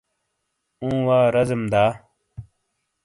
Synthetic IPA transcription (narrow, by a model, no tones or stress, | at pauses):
ũːwaːɾɐzəmd̪aː